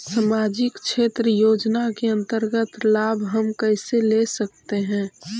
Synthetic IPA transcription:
səmaːd͡ʒɪkt͡ʃʰeːt̪ɾəjoːd͡ʒnakeə̃nt̪əɾɡət̪laːbʱɦəmkəɪselesək̚t̪eɦɛ̃ː

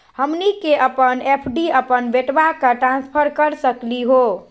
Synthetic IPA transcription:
həmnikeʔəpənepʰɖiəpənbeʈʋakaʈɾãnspʰəɾkəɾsəkliɦo

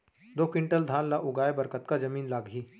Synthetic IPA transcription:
d̪oːkɪ̃ɳʈəld̪ʱaːnlaʔʊɡaːebəɾkət̪kad͡ʒɐmiːnlaːɡɦiː

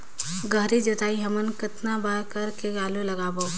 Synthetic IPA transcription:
ɡəɦɾid͡ʒɐt̪aːiɦɐmənkɪt̪nabaːɾkɐɾkeɡaːlolɐɡaːbo

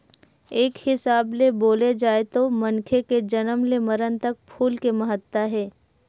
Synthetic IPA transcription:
eːkhɪsaːbleboːled͡ʒaːet̪omɐnkʰeked͡ʒɐnəmlemɐɾənt̪ɐk̚pʰuːlkemɐɦət̪ːaɦɛː

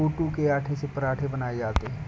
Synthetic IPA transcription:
oːʈukeaːʈʰesepɐɾaːʈʰebɐnaːed͡ʒaːt̪eɦɛ̃ː

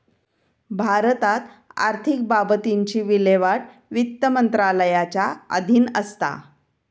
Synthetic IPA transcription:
bʱaɾət̪at̪ | a̰ɾt̪ʰik̚babət̪iɲt͡ɕiːʋileʋaʈ | ʋit̪ːəmənt̪ɾaləjat͡ɕaə̰d̪ʱiːnəst̪a̰

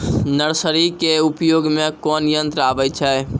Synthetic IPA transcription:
nəɾsəɾikeupjoɡmekɔnjənt̪ɾəabɛt͡ʃʰɛj

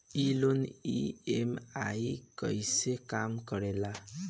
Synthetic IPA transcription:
ilonḭemajkʌ̰jsekamkʌɾela

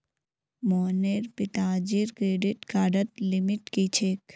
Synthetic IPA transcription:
moːneɾpɪt̪aːd͡ʒiɾkɾeːɖiʈkaːɖət̪limɪʈkit͡ʃʰeːk

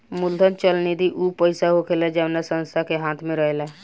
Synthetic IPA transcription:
muld̪ʱənt͡ʃəlnid̪iʔupəɪsaɦokʰelɛd͡ʒəʋnasə̃nst̪ʰakeɦãt̪ʰmẽɾəɦela

